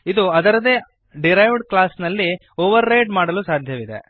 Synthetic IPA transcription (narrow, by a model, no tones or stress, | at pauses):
id̪uɐd̪ɐɾɐd̪eː | ɖiɾɐjʋɖklaːsnɐlːi | oːʋɐɾːejʈmaːɽɐluːsaːd̪ʱjɐʋid̪ḛ